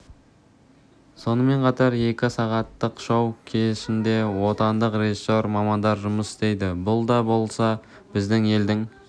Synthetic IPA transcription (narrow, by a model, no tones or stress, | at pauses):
so̞nəme̞ɴqʰɑt̪ɑɾje̞kʲɪsɑʁɑt̪ːəqʃɑwkʲʰe̞ɪʃɪnd̪e̞wo̞t̪ɑnd̪əqre̞ʒiso̞ɾmɑmɑnd̪ɑɾʒʊməsɪ̥st̪e̞jd̪ɪbʊlˠd̪ɑbo̞lˠsɑ | bɪzd̪ɪŋe̞ld̪ɪŋ